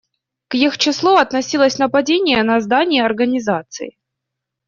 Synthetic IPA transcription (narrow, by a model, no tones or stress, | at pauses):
kjixt͡ɕɪslˠuɐt̪nɐsʲilˠəsʲnəpɐdʲenʲɪjənɐzd̪anʲɪjəɐrɡənʲɪzat̪sɨ̰ɪ̰